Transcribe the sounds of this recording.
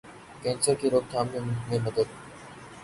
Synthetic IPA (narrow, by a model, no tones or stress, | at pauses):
kẽːnsəɾkʰiːɾoːk̚t̪ʰaːmjõmẽːməd̪əd̪̚